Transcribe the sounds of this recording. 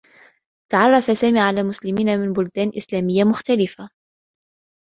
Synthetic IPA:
t̪ɑʕɑrˤːɑfasaːmiːʕalaːmʊslɪmiːnamɪnbʊld̪æːnʔɪslæːmɪjːamʊxt̪alɪfa

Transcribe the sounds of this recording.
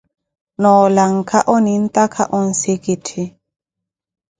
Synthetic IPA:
nɔːlaŋkʰaʔɔnin̩t̪akʰaʔɔn̩sekitʰi

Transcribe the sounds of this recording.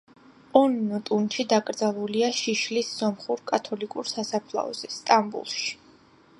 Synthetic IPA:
ɔnːɔt̪ʼunʃid̪akʼɾd̪zalˠuliaʃiʃlisːɔmχuɾkʼat̪ʰɔlikʼuɾsasapʰlˠa̰ɔ̰z̥ɛst̪ʼambṵlˠʃi̥

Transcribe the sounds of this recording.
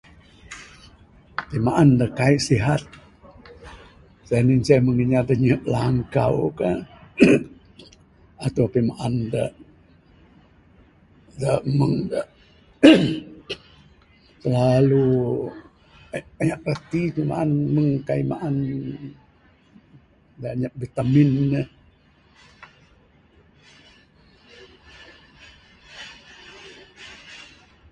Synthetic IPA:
pimaʔandəkaiʔsiɦat̪̚ | saninsaməŋəɲad̪əɲəʔlaŋka̰wka | at̪apimaʔandə̰ | dəməŋdə | səlalu | aɲaʔrat̪ikima̰ʔanməŋkaimaʔan | daɲaʔ̚bit̪aminnəh

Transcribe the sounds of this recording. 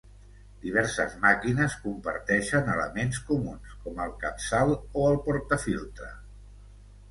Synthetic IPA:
d̪̥iβ̞ɛɾsə̰zmakinəskumpəɾt̪ɛʃənələ̰menskumunskɔməlˠkəpsalˠoəlˠpɔɾt̪əfilˠt̪ɾə̰

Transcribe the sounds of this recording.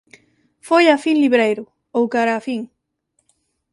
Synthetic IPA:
fojafiŋliβɾejɾʊ | owkaɾaːfiŋ

